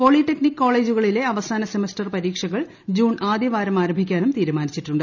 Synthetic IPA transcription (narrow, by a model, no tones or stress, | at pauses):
po̞ːɭiʈːeknikːo̞ːɭe̞ːd͡ʑuɣɐɭile̞ɐʋɐsaːnɐsemɐstɐrpɐɾiːkʂɐɣɐɭ | d͡ʑuːɳaːd̪jɐʋaːɾɐmaːɾɐmbʱikʲːaːnumt̪iːɾumaːnit͡ɕːiʈːuɳɖɨ